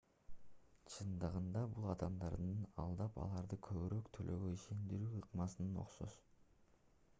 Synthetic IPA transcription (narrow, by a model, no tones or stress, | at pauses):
t͡ʃʰɯnd̪ɯʁɯnd̪ɑbulˠɑd̪ɑmd̪ɑɾd̪ɯnɑ̰lˠd̪ɑpɑ̰lˠɑɾd̪ɯkʰøβyɾøkt̪ʰølʔøɡøiʃe̞nd̪iɾyːɯqmɑsɯnɯno̞̰qso̞̰s